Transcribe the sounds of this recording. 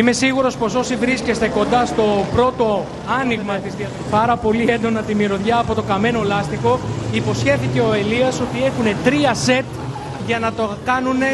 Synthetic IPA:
ime̞siɣuɾo̞spo̞so̞sivɾisce̞st̪e̞ko̞nd̪ɐst̪o̞pɾo̞t̪o̞ | ɐnizɣmɐt̪izðiɐ | pɐɾɐpo̞liend̪o̞nɐt̪imiɾo̞ðʝɐːpo̞t̪o̞kɐme̞no̞lɐst̪iko̞ipo̞sçe̞θice̞o̞e̞liɐso̞t̪ie̞xune̞t̪ɾiɐse̞t̪ | ʝɐnɐt̪okɐnune̞

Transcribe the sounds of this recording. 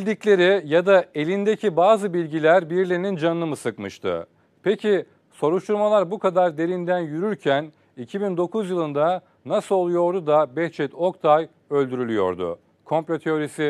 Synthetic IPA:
bilʲd̪iclʲe̞ɾijad̪ae̞lʲind̪ecʰibaːzɯbilʲɟilʲæɾbiɾlʲeinind͡ʒanɯmɯsɯkmɯʃt̪ʰɯ̰ | pʰecʰi | so̞ɾuʃt̪ʰuɾmalˠaɾbukʰad̪aɾd̪e̞ɾind̪ænjyɾyɾcʰæn | icʰibind̪o̞kʰuzjɯlˠɯnd̪a | nasɯlˠolˠujo̞ɾd̪ud̪abɛht͡ʃʰɛt̪ʰo̞kt̪ʰaj | ø̞lʲd̪yɾylʲyjo̞̰ɾd̪ʊ̰ | kʰo̞mplʲot̪ʰeoɾisi

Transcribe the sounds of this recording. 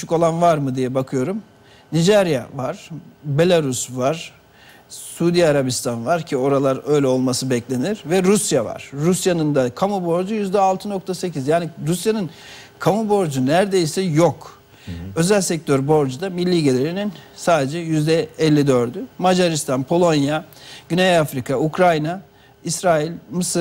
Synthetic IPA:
yʃyko̞lˠanvaɾmɯd̪ijɛbakʰɯjo̞ɾum | nid͡ʒɛɾja̰vaɾ̥be̞lʲˠaɾusvaɾ̥ | suːd̪ijaɾabist̪ʰanvaɾcʰio̞ɾalˠaɾø̞jlʲɛo̞lˠmasɯbɛclʲe̞niɾvɛɾusjava̰ɾ̥ːusjanɯnd̪akʰamubo̞ɾd͡ʒujyzd̪ɛalˠt̪ʰɯno̞kt̪ʰase̞cizjaːniɾusjanɯn | kʰamubo̞ɾd͡ʒunæɾd̪e̞jsɛjo̞k | ø̞zælʲsɛc̚t̪ʰøɾbo̞ɾd͡ʒud̪amilʲːiːɟe̞lʲeɾininsaːd̪e̞d͡ʒɛjyzd̪ɛɛlʲːid̪ø̞ɾd̪ymad͡ʒaɾist̪ʰanpʰo̞lˠo̞njaɟ̥ynejafɾikʰaukɾajna | isɾaːilʲmɯsɯ

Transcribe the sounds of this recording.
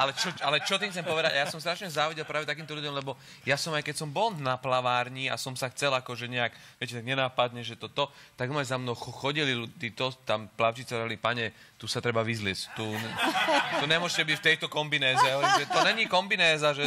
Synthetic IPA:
ʔalɛt͡ʃɔalɛt͡ʃɔt̪̬iŋt͡sɛmpɔʋɛd̪aɟajasɔmst̪ɾaʃɲɛzaːʋiɟɛlˠpɾaːʋɛt̪ak̬iːmt̪ɔʎuɟjɔmlɛbɔ | jasɔmajkɛcsɔmbɔlnaplaʋaːɾɲia̰sɔmsaxt͡sɛlakɔʒɛɲɛakʋɪɛcɛt̪aɡɲɛnaːpad̪ɲɛʒɛt̪ɔt̪ɔt̪aɡɔmajzamnɔʊxxɔɟililud̪iːt̪ɔt̪amplaʊt͡ʃit͡siɾaalipaɲɛt̪usat̪ɾɛbaʋizlɪɛst̪uɛt̪ɔɲɛmʊɔʒcɛbicft̪ɛjt̪ɔkɔmbinɛːzɛaɦɔʋɔimʒɛt̪ɔɲɛɲikɔmbinɛːzaʒɛ

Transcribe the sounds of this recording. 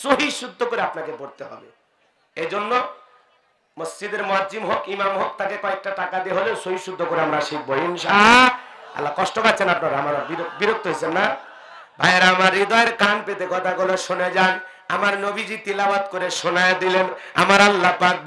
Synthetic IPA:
soɦiʃud̪ʱːokoɾeapnakeboɾt̪eɦɔ̰bḛ | ed͡ʑonːo | məsd͡ʑid̪eɾmoɦaimɦokimamɦok̚t̪ʰakekɔek̚ʈaʈakad̪ieɦolesoɦiʃud̪ʱːokoɾeamɾaʃik̚boinʃa | a̰lːakɔʃʈopat̪ːɕʰenapnaɾamaɾabiɾbiɾok̚t̪oɦit͡ɕʰenːa | bʱajeɾaamaɾːid̪ɔeɾkanpet̪ekɔt̪ʰaɡoloʃoned͡ʑan | amaɾnobid͡ʑit̪ilabat̪koɾeʃonajd̪ilen | a̰maɾalːapak̚

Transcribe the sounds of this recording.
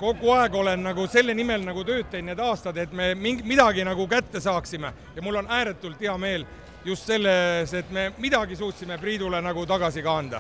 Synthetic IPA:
ko̞ɡuɑe̞ɡ̥o̞le̞nːɑɡuse̞lːenime̞lnɑɡut̪ø̞ːt̪ːejd̪ne̞ːd̪ɑːst̪ɑd̪e̞t̪ːˑme̞miŋɡmid̪ɑɡinɑɡukæt̪ːe̞sɑːksime̞ | jɑmulːo̞næːɾe̞t̪ːˑult̪ːiɑme̞ːl | just̪se̞lːe̞se̞t̪ːme̞mid̪ɑɡisuːt̪ʲsime̞priːd̪ule̞nɑɡut̪ɑɡ̥ɑsikɑɑnd̪̥ɑ̰

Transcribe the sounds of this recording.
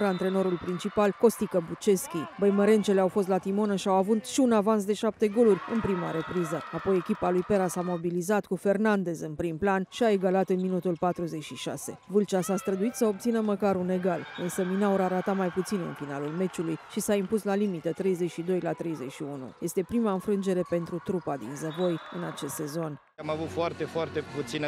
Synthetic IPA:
ɾaɨnt̪ɾe̞no̞ɾulpɾint͡ʃipalko̞st̪ikəbut͡ʃe̞skʲibəjməɾe̞nt͡ʃe̞leawfo̞s̬t̪lat̪imo̞nəʃiawavut̪ʃiunavans̬d̪e̞ʃap̚t̪e̞ɡo̞lurʲɨnpɾima̰ɾe̞pɾizəapo̞je̞kʲipalujpe̞ɾasamo̞bilizat̪kufe̞rnand̪e̞zɨnpɾimplanʃiae̞ɡalat̪ɨnminut̪ulpat̪ɾuze̞t͡ʃʃiʃa̰se̞̰vɨlt͡ʃasast̪ɾəd̪uit̪səo̞p̚t̪sinəməkaɾune̞ɡalɨnsəminauɾaɾat̪amajput̪sinɨ̰nfinalulme̞t͡ʃulujʃisaimpuslalimit̪et̪ɾe̞jze̞t͡ʃʃid̪o̞jlat̪ɾe̞jze̞t͡ʃʃiunṵje̞st̪e̞pɾimaɨnfɾɨnd͡ʒe̞ɾe̞pe̞nt̪ɾut̪ɾupad̪ḭnzəvo̞jɨnat͡ʃe̞st̪se̞zo̞n | amavut̪foart̪e̞foart̪e̞put̪sin

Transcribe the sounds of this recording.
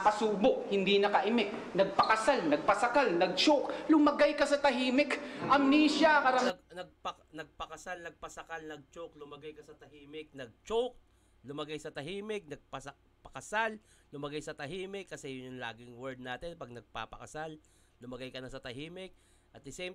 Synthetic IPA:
pɐsuːboʔ̚hɪnd̪inɐkɐʔɪmɪk̚ | nɐɡ̚pɐkɐsalnɐɡ̚pɐsɐkalnɐɡ̚t͡ʃoklʊmɐɡajkɐsɐt̪ɐɦiːmɪkʔɐmniːʃakɐɾamɡnɐɡ̚pɐ | nɐɡ̚pɐkɐsalnɐɡ̚pɐsɐkalnɐɡ̚t͡ʃok̚lʊmɐɡajkɐsɐt̪ɐhiːmɪk̚nɐɡ̚t͡ʃok̚ | lʊmɐɡajsɐt̪ɐɦiːmɪk̚nɐɡ̚pɐsɐ | pɐkɐsal | lʊmɐɡajsɐt̪ɐɦiːmɪkːɐsɛjʊjʊŋla̰ːɡɪŋwɛɹd̪̚naːt̪ɪnpɐɡ̚nɐɡ̚pa̰ːpɐ̰kɐsal | lʊmɐɡajkɐnɐsɐt̪ɐɦiːmɪk̚ | ʔɐt̪ɪsɛm

